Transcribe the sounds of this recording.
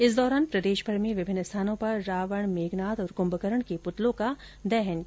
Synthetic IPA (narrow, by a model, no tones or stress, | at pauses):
ɪsd̪ɔːɾaːnpɾɐd̪eːʃbʰʱɐɾmẽʋɪbʱɪnːəst̪ʰaːnõpɐɾːaːʋəɳ̃meːɡnaːt̪ɔːɾkʊ̃mbəkəɾəɳ̃kepʊt̪lõka | d̪ɛɦɛn